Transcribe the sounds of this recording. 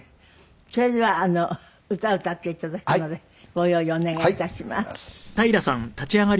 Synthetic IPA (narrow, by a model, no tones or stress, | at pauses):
soediβaːno | ɯ̟t̪aɯ̟t̪at̪ːeit̪ad̪akʲi̥nod̪e | ɡ̥ojoioneŋɡait̪aɕima̰st̪aiɾasãnt̪at͡ɕiaɡaɾ